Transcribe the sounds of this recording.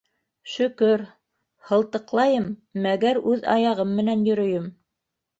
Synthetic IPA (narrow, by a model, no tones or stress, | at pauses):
ʃɵ̆kɵɾ | hɤ̆lˠt̪ɤ̆qlˠɑjɤmːæɡæɾʉðɑ̰jɑʁɤmːɘ̆nænjɵ̆ɾɵ̆jɵm